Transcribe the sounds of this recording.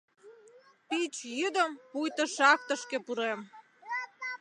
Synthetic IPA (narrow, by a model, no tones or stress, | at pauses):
pit͡ɕjyd̪əmpujt̪əʃɑk̚t̪ə̆ʃkĕpuɾem